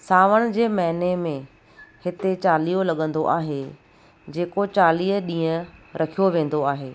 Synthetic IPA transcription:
saːʋəɽ̃d͡ʑeːmɐɦɪnemẽ | hɪt̪et͡ɕaːliːolɐɠə̃nd̪oʔaːɦe | d͡ʑeːkot͡ɕaːliːɦɗĩːə̃ɾʔɐkʰijoʋẽːn̆d̪oaːɦeː

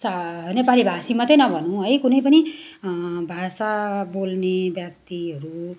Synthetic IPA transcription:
sanepalibʱasimʌt̪ʌjnʌbʱʌnũɦʌjkunʌjpʌni | bʱasabolnebjak̚t̪iɦʌɾu

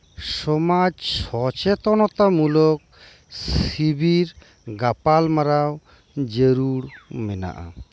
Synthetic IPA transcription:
sɔmad͡ʒsɔt͡ʃɛt̪ɔnɔt̪amulɔk̚ | sibiɾ | ɡapalmaɾaw | d͡ʒeɾuɽmɛna̰ʔa̰

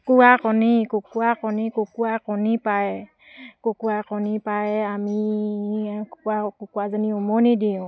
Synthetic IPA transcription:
kuwakɔnikokuakɔnikokuwakɔnipajɛ | kokuakɔnipajɛami | kkakokuazaniɔmɔnidiʊ̃

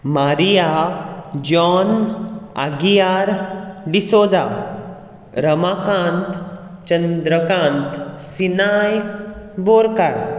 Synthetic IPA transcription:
maɾija | d͡ʑɔna̰ɡijaɾɖisod͡za | ɾəmakãnt̪ | t͡ɕənd̪ɾəkãnt̪sinajboɾkaɾ

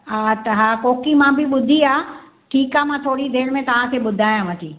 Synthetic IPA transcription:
aːt̪ɐɦaːkoːkimãbɪɓʊd̪ʱiaː | ʈʰiːkaːmãːt̪ʰoːɽid̪eːɽmẽt̪ɐʋ̤ãkʰeːɓʊd̪ʱaːjãʋɐt̪ʰiː

